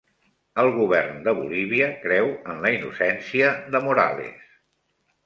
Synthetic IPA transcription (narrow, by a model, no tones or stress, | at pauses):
əlˠɣuβɛrnd̪əβṵliβiəkɾɛwənləinṵsɛnsiəðəmuɾa̰lḛs